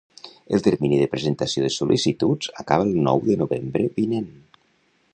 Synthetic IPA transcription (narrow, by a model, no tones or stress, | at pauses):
əlˠt̪əɾminiðəpɾəzənt̪asioðəsulʔisit̪ud͡zakaβəːlˠnɔ̰wðənuβembɾəβinen